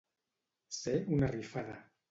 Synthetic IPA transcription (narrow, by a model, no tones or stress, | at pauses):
seunarifaða